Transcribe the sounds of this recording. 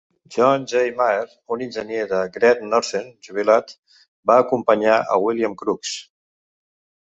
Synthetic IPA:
ʒɔnʒejmaeɾ | uninʲʒənjeðəɡɾɛt̪nɔɾsenʒuβilat̪ | baːkumpəɲaʔə̰wiliəmkɾuks

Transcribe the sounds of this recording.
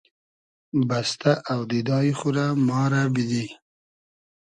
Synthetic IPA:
bast̪aʔawd̪id̪ɑjiχuɾamɑːɾabid̪i

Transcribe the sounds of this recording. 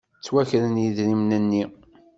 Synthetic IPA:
t͡sːwæçɾənjiðɾimnənːi

